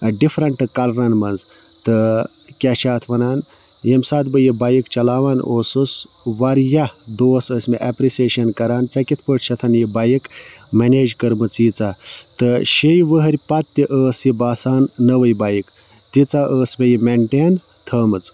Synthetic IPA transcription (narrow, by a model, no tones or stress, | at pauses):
ɖipʰɾɐɳʈɨkɐlɾɐnmɐnz | t̪ɨ | kʲaʃʰaːt̪ʰʋɐnaːn | jemsaːt̪bɨjibaːjikt͡ʃɐlaːʋaːnʔoːsɨs | ʋɐɾjad̪oːsəːsʲmeʔapɾiseːʃɐnkɐɾaːnt͡sɐkʲit̪ʰpəʈt͡ʃʰɐt̪ʰɐnjibajik | meneːd͡ʒkɐɾmɨt͡siːt͡sat̪ɨʃejʋəɦɐɾʲpɐt̪ːiʔəːsjibaːsaːnːɐʋɐjbaːjik | t̪it͡saʔəːsbejimeɳʈeːn | t̪ʰəːmɨt͡s